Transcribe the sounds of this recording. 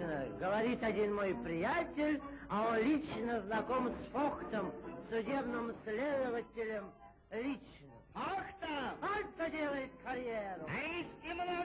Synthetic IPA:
nəɡəvɐɾʲit̪ɐdʲinmojpɾʲɪjatʲɪlʲɐonlʲit͡ɕnəznɐkomsfokt̪əmsʲʊdʲebnɨmsʲlʲed̪əvətʲɪlʲəm | lʲit͡ɕnəkakt̪əkakt̪ədʲelˠəjɪt̪̚kɐɾʲjeɾʊisʲtʲɪmno

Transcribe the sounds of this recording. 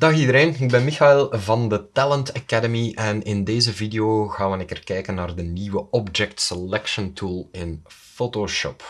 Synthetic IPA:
dɑxidəɾeːnɪɡ̚bɛnmixaɪlˠvɑndətæləntakædəmiʔɛnɪndeːzəvidejoːɣaːʋənɪkərkɛjkənːaːrdəniwəɔbd͡ʒɛktsɛlɛkʃəntʰuːlˠɪn | foːtoʃɔ̰p

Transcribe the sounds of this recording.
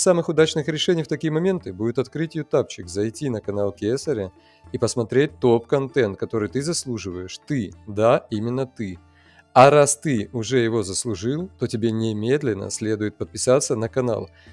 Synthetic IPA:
samɨxʊd̪at͡ɕnɨxɾʲɪʂɛnʲɪjft̪ɐkʲijəmɐmʲe̞nt̪ɨbudʲɪt̪ɐt̪kɾɨtʲɪjʊt̪apt͡ɕɪkzɐjtʲinəkɐnalˠkʲesəɾʲə | ipəsmɐt̪ɾʲet̚ʲt̪o̞pkɐnt̪ɛnt̪̚kɐt̪o̞ɾɨjt̪ɨzɐslˠuʐɨvəjɪʂt̪ɨd̪aimʲɪnːət̪ɨ | ɐɾast̪ɨʊʐɛjɪvo̞zəslˠʊʐɨlˠt̪o̞tʲɪbʲenʲɪmʲe̞d̪lʲɪnːə̰sʲlʲed̪ʊjɪt̪̚pət̪̚pʲɪsat̪sːənəkɐna̰lˠ

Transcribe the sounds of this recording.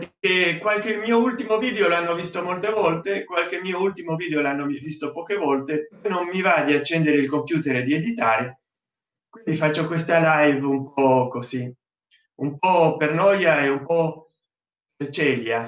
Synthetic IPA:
pekekwalk̟emːiːoult̪imoviːd̪eolanːovist̪omolt̪evɔlt̪ekwalkemːiːoult̪imoviːd̪eolanːoivist̪opɔːk̟evɔlt̪epɔjnomːivad̪iat͡ʃːɛnd̪eɾeilkompjuːt̪eɾed̪ied̪it̪aːɾe | kwind̪ifat͡ʃːokwest̪alajvumpɔkozi | umpɔpernɔjaeumpɔ | pert͡ʃɛlja

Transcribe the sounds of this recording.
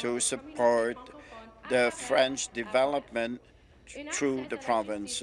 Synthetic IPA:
tʰusɨpʰɔɹt̪̚ðəfɹɛ̃nt͡ʃdɨvɛlˠəp̚mə̃n | θɹuðəpʰɹ̥ɑvɪ̃ns

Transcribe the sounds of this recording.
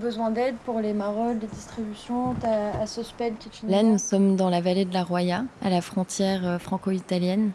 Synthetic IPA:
bəzwɛ̃d̪ɛd̪puʁlemaʁɔd̪ed̪ist̪χibysjɔ̃t̪aːsəspɛd̪kʲit̪lanusɔmd̪ɑ̃lavaled̪əlaʁwajaalafχɔ̃t̪jɛʁøfχɑ̃koit̪aljɛn

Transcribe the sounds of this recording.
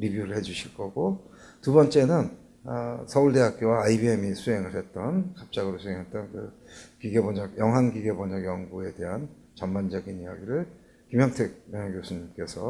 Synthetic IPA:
ɾibjuɾɯɭhe̞d͡ʑuɕʰiɭk͈ʌɡo | tubʌnt͡ɕ͈e̞nɯn | sʰʌuɭde̞ɦak̚k͈jowaːibiemisʰuɦe̞ŋɯɭɦe̞t̚t͈ʌnkap̚t͡ɕ͈aɡɯɾosʰuɦeŋɦet̚t͈ʌnkɯ | kiɡe̞boɲaɡjʌŋɦanɡiɡe̞boɲʌɡjʌŋɡue̞de̞ɦan | t͡ɕʌmband͡ʑʌɡinija̰ɡiɾɯɭ | kimjʌŋtʰek̚mjʌŋaɡjosʰuɲimk͈e̞sʰʌ

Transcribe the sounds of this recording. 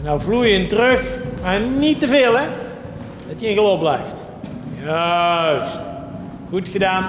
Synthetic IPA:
nawvlujɪntərɵxmaːɹnitəveːlˠɛ | d̥ɑtjəɪ̃nɣəloblɛjft | jast | χutxədaːn

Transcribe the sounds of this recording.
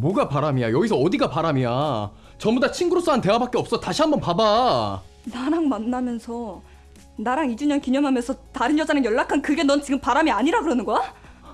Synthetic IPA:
moɡapaɾamijajʌɡisʰʌːdiɡapaɾamia | t͡ɕʌmbudat͡ɕʰinɡuɾos͈oante̞wabak͈eʌp̚s͈ʌtaɕʰiɦambʌnpaba | naɾaŋmanːamjʌnsʰʌ | naɾaŋid͡ʑuɲʌnkiɲʌmɦamjʌnsʰʌtaɾɯnjʌd͡ʑanɯjʌɭːakʰankɯɡe̞nʌnt͡ɕiɡɯmpaɾamiaɲiɾaɡɯɾʌnɯnɡʌa

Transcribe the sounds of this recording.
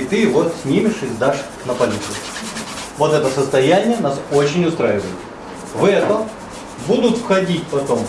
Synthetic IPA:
ɪt̪ɨvot̪sʲnʲimʲɪʂɨzʲd̪aʂ | nəpɐlʲit̪sɨ | vo̞t̪ɛt̪əsəst̪ɐjænʲɪjənaso̞t͡ɕɪnʲʊst̪ɾajɪvə̰jɪt̪ | vɛt̪əm | bud̪ʊt̪fxɐdʲitʲpɐt̪o̞m

